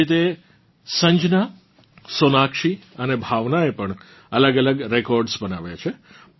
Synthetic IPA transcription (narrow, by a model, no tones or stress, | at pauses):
it̪̬e | sə̃ɲd͡ʒna | sonakʃiənebʱaʋnaepəɳ | ələɡələɡɾekɔɾɖsbənaʋjat͡ʃʰe